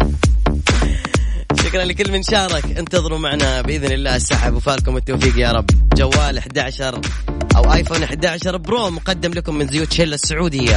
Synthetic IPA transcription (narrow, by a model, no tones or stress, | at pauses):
ʃʊkɾˤɑnlikɪlːmɪnʃɑːɾˤɑkʔɪnt̪ɑðˤɨɾumaʕnabɪʔɪðnɪlːaːsːaħabwfaːlkʊmɪt̪ːoːfiːqjɑːɾˤɑbːd͡ʒawːaːlʔaħɪd̪aʕaʃɑɾˤʔa̰wʔaːjfoːnʔaħɪd̪aʕaʃɑɾˤbɾoːmqɑd̪ːɪmlakʊmːɪnzʊjuːt̪ħɪlːasːʊʕuːd̪ɪjːa